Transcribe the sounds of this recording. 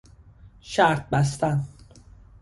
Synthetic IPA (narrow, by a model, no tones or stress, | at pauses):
ʃæɾt̪̚bæs̬t̪æn